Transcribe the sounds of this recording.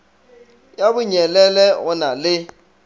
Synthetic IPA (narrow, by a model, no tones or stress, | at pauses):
jabʊɲɛlɛlɛɣʊnalɪ